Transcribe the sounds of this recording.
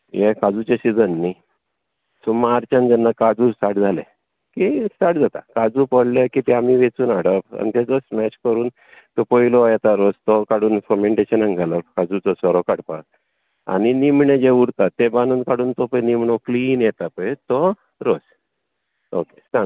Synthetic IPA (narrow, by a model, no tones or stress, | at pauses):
jekad͡zut͡ɕesid͡zənːi | sumaɾt͡ɕand͡zɛnːakad͡zuːsaʈd͡zʱale | kisaʈd͡zat̪a̰kad͡zupɔɽlekit̪ɛamiʋet͡suːnaɽəpa̰nit̪ed͡zɔsmɛt͡ɕkəɾuːn | t̪ɔpɔilɔjɛt̪aɾod͡zt̪ɔkaɽuːnfɔmeɳʈeɕənãŋɡʱalakad͡zut͡sɔsʋɔɾɔkaɽpa | a̰ninimɳed͡ʑeuɽt̪at̪ːebanuːnkaɽuːnt̪ɔpənimɳokliːnjɛt̪apəjt̪ɔ | ɾod͡z | okest̪a